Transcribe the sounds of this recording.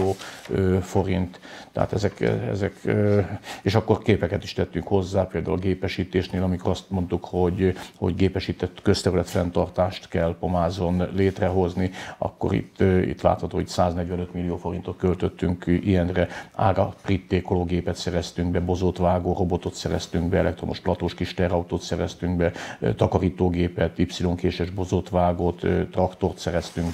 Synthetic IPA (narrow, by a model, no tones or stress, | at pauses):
oːøfo̞ɾint̪t̪ːɛ̰a̰ːt̪ɛzɛkɛ̰zɛk | eːʃɒkːo̞rkeːpɛkɛt̪iʃt̪ɛt̪ːyŋkho̞zːaːpeːld̪a̰ulɡeːpɛʃiːt̪eːʃneːlɒmiko̞ɾɒst̪mo̞nt̪ukho̞ɟho̞̰ɟɡeːpɛʃit̪ɛt̪ːkøst̪ɛɾylɛt̪fɛnt̪ɒrt̪aːʃt̪kɛlpo̞maːzo̞nleːt̪rɛɦo̞zniɒ̰kːo̰ɾḭt̪ːḭt̪la̰ːt̪hɒt̪oːit̪saːznɛɟʋɛnøt̪milːijoːfo̞ɾint̪o̞t̪kølt̪øt̪ːyŋkijɛnrɛa̰ːɾɒprit̪ːeːkoloːɡeːpɛt̪sɛɾɛst̪yŋɡbɛbo̞zot̪ʋaːɡoːro̞bo̞t̪o̞t̪sɛɾɛst̪yŋɡbɛɛlɛkt̪romoʃplɒt̪oːʃkiʃt̪ɛɾɒut̪oːt̪sɛɾɛst̪yŋɡbɛt̪ɒkɒɾiːt̪oːɡeːpɛt̪ipsiloŋkeːʃɛʒbo̞zoːt̪ʋaːɡoːt̪t̪rɒkt̪o̞rt̪sɛɾɛst̪yŋɡ